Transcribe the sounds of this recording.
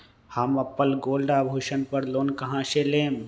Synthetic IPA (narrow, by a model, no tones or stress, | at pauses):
hɐmɐpːəlɡoːlɖaːbʱuːʃənpəɾloːnkɐɦãːʃelẽː